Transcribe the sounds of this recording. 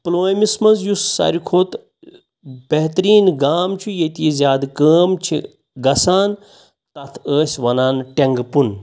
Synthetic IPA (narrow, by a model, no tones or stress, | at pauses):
ploːjmismɐzjusːɐ̰ɾikʰoːt̪ | bɐɦt̪ɾiːnɡaːmt͡ʃʰujet̪iizjaːd̪kəːmt͡ʃʰḭ | ɡɐsaːn | t̪ɐt̪ʰəːsʲʋɐnaːnʈeŋɡpun